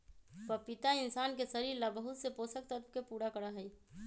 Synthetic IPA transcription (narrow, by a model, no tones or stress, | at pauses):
pəpit̪aɪnsaːnkesəɾiɾlabəɦut̪seposək̚t̪ət̪pkepuɾakəɾəɦəj